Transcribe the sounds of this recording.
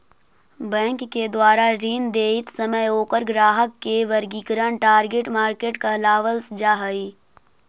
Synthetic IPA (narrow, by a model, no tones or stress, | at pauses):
bɛ̃ːŋkːed̪waːɾaɾiːnd̪eːɪt̪sɐməjoːkəɾɡɾaːɦəkːeʋɐɾɡiːkɾəɳʈaːɾɡeʈmaːɾkeːʈkɐɦlaːʋəlsd͡ʒaːɦəi